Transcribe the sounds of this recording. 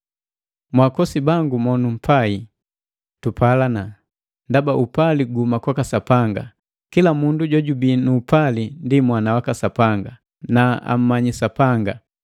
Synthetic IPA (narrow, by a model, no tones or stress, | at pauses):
mwakɔsibaŋɡumɔnum̩pʰai | tupʰalana | ndabaʔupaliɡumakakasapaŋɡa̰ | kilamunduɟɔɟubinuːpalindimwanawakasapaŋɡa | naa̰m̩maɲisapaŋɡa